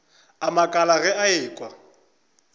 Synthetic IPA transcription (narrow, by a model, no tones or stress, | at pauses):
amakʼalaɣɛaɪːkʼwa